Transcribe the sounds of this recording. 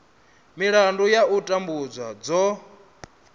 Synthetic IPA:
miɺandujautʼambud͡zwad͡zɔ

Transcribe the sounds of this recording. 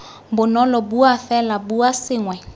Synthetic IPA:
mbʊnɔlɔbuafɛlabuasɪŋwɛ

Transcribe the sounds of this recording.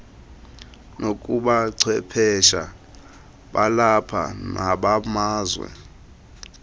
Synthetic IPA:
nokʼuɓaǀʰwɛpʰɛʃa | ɓalapʰa̰naɓamaːzwɛ̰

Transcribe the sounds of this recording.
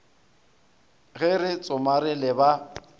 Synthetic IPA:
ɣɛrɪt͡sʼʊmaɾɪlɪba

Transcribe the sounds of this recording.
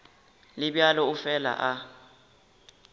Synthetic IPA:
liɓjalɔufɛla̰ʔa

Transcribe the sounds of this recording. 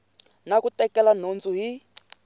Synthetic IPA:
nakutɛkɛlan̤ont͡sʼuɦi

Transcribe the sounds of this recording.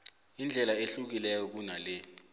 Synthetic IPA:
ind͡ɮʱɛlaeɬuk̬ilɛjɔk̬unalɛ

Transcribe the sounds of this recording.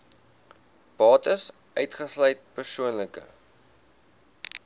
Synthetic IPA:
b̥ɑːtəs | ʔœɥtχəslœjt̚pərsuənləkə̰

